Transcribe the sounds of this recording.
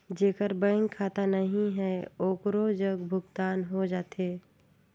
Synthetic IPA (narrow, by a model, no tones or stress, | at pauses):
d͡ʒeːkəɾbə̃ŋɡkʰaːt̪anɐɦĩɦɛːoːkɾod͡ʒɐɡbʱʊɡt̪aːnɦod͡ʒaːt̪eː